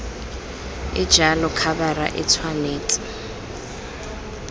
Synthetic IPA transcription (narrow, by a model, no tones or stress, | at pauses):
ɪd̥ʒ̥ʱalɔkʰaɓara̰ʔɛt͡sʰwaneːt͡sʼi̥